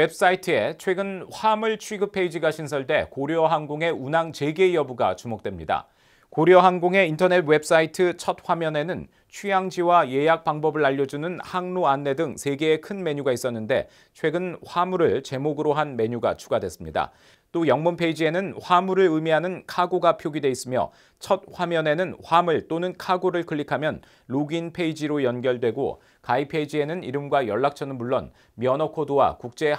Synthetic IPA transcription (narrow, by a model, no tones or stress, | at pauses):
we̞p̚s͈aitʰɯe̞t͡ɕʰwe̞ɡɯnɸamɯɭt͡ɕʰuiɡɯpʰe̞id͡ʑiɡaɕʰinsʰʌɭde̞koɾjʌɦaŋɡoŋe̞unaŋt͡ɕe̞ɡe̞iʌbuɡa̰t͡ɕumok̚t͈we̞mɲida̰ | koɾjʌɦaŋɡoŋe̞intʰʌne̞t̚we̞p̚s͈aitʰɯt͡ɕʰʌt̚ɸwamjʌne̞nɯn | t͡ɕʰɥiaŋd͡ʑiwaje̞jak̚p͈aŋbʌbɯɭaʎːʌd͡ʑunɯnhaŋnoanːe̞dɯŋsʰe̞ɡe̞ːkʰɯnme̞ɲuɡais͈ʌnːɯnde̞̰ | t͡ɕʰwe̞ɡɯnɸamuɾɯɭt͡ɕe̞moɡɯɾoɦanme̞ɲuɡa̰t͡ɕʰuɡadwe̞s͈ɯmɲida̰ | t͈ojʌŋmunpʰe̞id͡ʑie̞nɯnɸwamuɾɯɭɯmiɦanɯnkʰaɡoɡapʰjoɡidwe̞is͈ɯmjʌ̰ | t͡ɕʰʌt̚ɸwamjʌne̞nɯnɸwamɯɭt͈onɯnkʰaɡoɾɯɭkɯɭːikʰamjʌn | loɡinpʰe̞id͡ʑiɾojʌnɡjʌɭdwe̞ɡo̰ | kaipʰe̞id͡ʑie̞nɯniɾɯmɡwajʌɭːak̚t͡ɕʰʌnɯnmuɭːon | mjʌnʌkʰodɯwa̰kuk̚t͡ɕ͈e̞